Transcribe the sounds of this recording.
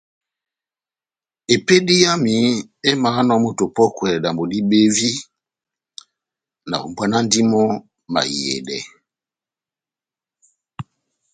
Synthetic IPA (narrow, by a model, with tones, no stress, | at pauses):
e˨pe˦di˦ja˦mi˨˦e˦maː˨˦nɔ˨mu˦to˨pɔ˦kwɛ˨da˨mbo˨di˦ɓe˦vi˦ | na̰˨o̰˨mbwa˦na˦n˦di˦mɔ˦ | ma̰˨jɛ̰˨dɛ̰˨